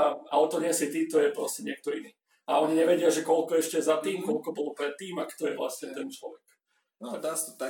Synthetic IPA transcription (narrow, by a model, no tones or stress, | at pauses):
a̰ɔt̪ɔɲɪɛsit̪iːt̪ɔjɛpɾɔscɛɲɪɛk̚t̪ɔiniː | aɔɲiɲɛʋɛɟɪaʒɛkɔlkɔɛʃcɛzat̪iːmkɔlkɔbɔlɔpɾɛt̪ːiːmakt̪ɔjɛʋla̰sɲɛt̪ɛnt͡ʃlɔʋɛk | nɔat̪a